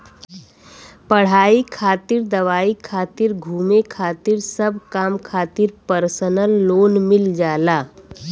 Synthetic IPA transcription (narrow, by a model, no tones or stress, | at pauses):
pəɽ̤aːikʰaːt̪iɾd̪əʋaːikʰaːt̪iɾɡʱuːmekʰaːt̪iɾsəbʱkaːmkʰaːt̪iɾpəɾsənəlːoːnmɪld͡ʒaːlaː